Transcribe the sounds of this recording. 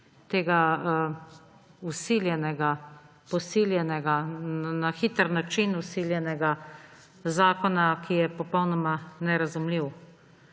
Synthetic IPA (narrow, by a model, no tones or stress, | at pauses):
t̪eːɡa | usiljɛnɛɡa | pɔsiljɛnɛɡanaxit̪əɾnat͡ʃinusiljɛnɛɡa | zaːkɔnakʰijɛpɔpɔwnɔmanɛɾazumliw